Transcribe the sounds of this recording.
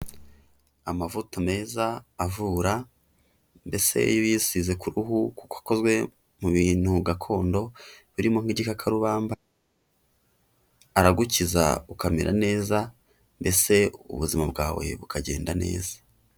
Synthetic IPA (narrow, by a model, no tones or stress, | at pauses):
amavutome̞ːzaːvuːɾa | mbe̞se̞̰jojisize̞kuɾuɦuku̥koḁko̞zɡwe̞ | muβiːn̥huɡakʰo̞ːndo̞βiɾimo̞ŋ̥iɟikakʰaɾuβaːmba | ɾaɡuciza̰ukamḛɾʔa̰ne̞ːza | mbe̞se̞ṵβuzimabɡaːwe̞̰βukʰaɟe̞̰ːndane̞̰ːzḁ